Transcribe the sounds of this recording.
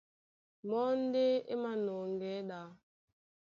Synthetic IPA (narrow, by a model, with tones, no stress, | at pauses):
mɔ˦n̩˦de˦ḛ˦ma˨nɔ˨ŋ˨ɡɛ˨˦ɗa˨˦